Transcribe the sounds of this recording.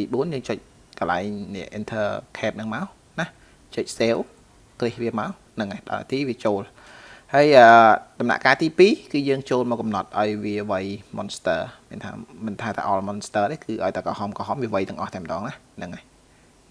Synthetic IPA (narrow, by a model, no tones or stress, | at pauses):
t̪iːɓuənjəːŋt͡ɕəc̚ | kəla̰ɛŋnɛɛəʔint̪ʰəːkʰɛːp̚nɨŋmaɔ | nah | t͡ɕəc̚seːw | krihʋiəmaɔ | nɨŋaɗa̰t̪iːʋiət͡ɕoːl | haəjʔəːt̪ɑmna̰ʔkaːt̪iːpiːkɨːjəːŋt͡ɕoːlmɔːkːɑmnɑt̪̚ʔaɔjʋiəʋəjmonst̪əːmiənt̪ʰa̰ːmɨnt̪ʰaːt̪a̰ːʔɑlmonst̪əːɗeːkɨːʔaɔjt̪akɑhɑmkɔɦɑmʋiəʋəjt̪ɨəŋʔɑ̰ht̪aɛmə̆ɗɑːŋnah | nɨŋa